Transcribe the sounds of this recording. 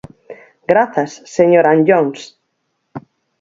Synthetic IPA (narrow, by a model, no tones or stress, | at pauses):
ɡɾaθasːeɲoɾanʎoŋs